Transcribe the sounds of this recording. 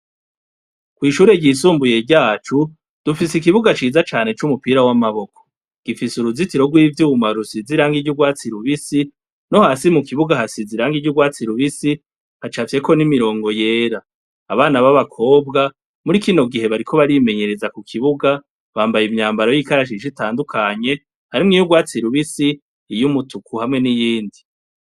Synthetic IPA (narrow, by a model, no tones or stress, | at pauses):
kwiːʃuːɾe̞ɟisuːmbuje̞ɾɟaːt͡ʃu | d̥ufisik̬iβuɡat͡ʃiːzat͡ʃaːne̞t͡ʃumupiːɾawamaβo̞ko̥ | ɡ̥ifisuɾuzitiɾo̞ɡwiːvjuwumaɾusiziɾaːŋɡiɟuɡwaːt͡siɾuβisi | no̞haːsimukiβuɡahasiziɾaːŋɡiɟuɡwaːt͡siɾuβisi | hat͡ʃafje̞ko̞nimiɾo̞ːŋɡo̞je̞ːɾaː | βaːnaβaβakʰo̞ːbɡa | muɾikino̞ɡihe̞βaɾikʰo̞βaɾime̞ɲe̞ɾe̞zakukʰiβuɡa | βaːmbajimɲaːmbaɾojikaɾaʃ̬iʃitaːndukʰaɲe̞ | haɾimŋijuɡwaːt͡siɾuβisiː | jumutukʰuhamŋe̞nijiːndi